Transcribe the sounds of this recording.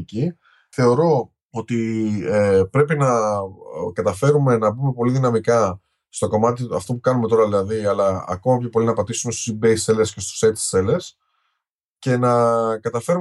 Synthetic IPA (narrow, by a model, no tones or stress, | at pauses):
ci | θe̞o̞ɾo̞ | ot̪iepɾe̞pinɐ | kɐt̪ɐfe̞ɾume̞nɐbume̞po̞liðinɐmikɐ | st̪o̞ko̞mɐt̪iɐ̰ft̪o̞pukɐnume̞t̪o̞ɾɐðilɐðiɐlɐɐ̰ko̞mɐpçɐpo̞linɐpɐt̪isume̞st̪o̥sibeselesce̞st̪o̥set̪seles | ce̞nɐkɐt̪ɐfe̞ɾu